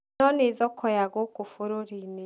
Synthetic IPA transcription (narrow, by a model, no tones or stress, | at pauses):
nonizokʰojaɡokufuɾuɾini